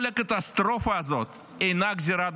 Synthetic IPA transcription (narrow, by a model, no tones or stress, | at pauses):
lʲɐkət̪ast̪ɾofɨazot̪ | enaɡzʲɪɾad̪